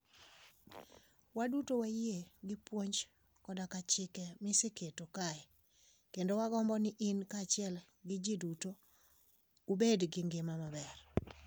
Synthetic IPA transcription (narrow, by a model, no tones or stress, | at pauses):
wadutowajieɡɪpwoɲd͡ʒ | kɔdakat͡ʃɪkɛmɪsikʰetokaɛ | kendowaɡɔmbɔnɪʔɪnkaːt͡ʃɪɛl | ɡɪd͡ʒiduto | ubedɡɪŋɡɪmamabɛr